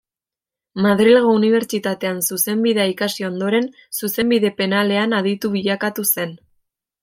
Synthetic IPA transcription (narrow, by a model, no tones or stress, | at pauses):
maðɾilɣouniβ̞e̞ɾt͡ʃit̪at̪e̞ansuse̞mbiðeaikasio̞nd̪o̞ɾe̞n | suse̞mbiðe̞pe̞nale̞anað̞it̪uβiʎakat̪use̞n